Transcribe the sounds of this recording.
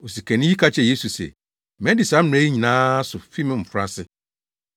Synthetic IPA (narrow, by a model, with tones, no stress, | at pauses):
o˨si˨kʰɛ˨nɪ̃˦ji˦kʰa˦t͡ɕʰɛ˨je˦su˨sɛ̰˨ | mɛ̃˦dɪ˨sa˨˦m˦m˨ɛ˦i˦ɲĩ˨nãː˦sʊ˨fi˦mɪ̃˦m̩˨fʊ˨ɾa˦sɪ˦